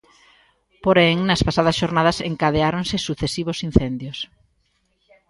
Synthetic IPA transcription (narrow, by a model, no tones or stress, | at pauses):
poɾɛŋnɐspasað̞ɐsʃoɾnaðɐseŋkað̞eaɾoŋsɪsuθesiβʊsin̟θɛnd̪jos